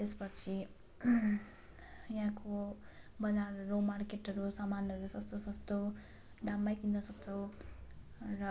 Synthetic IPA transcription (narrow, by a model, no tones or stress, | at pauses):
t̪espʌt͡sʰi | jɦãko | bʌd͡zaɾromarkeʈʌɾusamanʌɾusʌst̪osʌst̪o | ɖamːajkind̪ʌsʌkt͡sʰʌw̃ | rʌ